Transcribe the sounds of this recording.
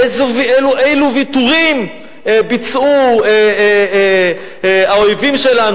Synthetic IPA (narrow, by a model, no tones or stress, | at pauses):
zuveluʔejluvituʁim | ebit͡sue | aojvimʃelan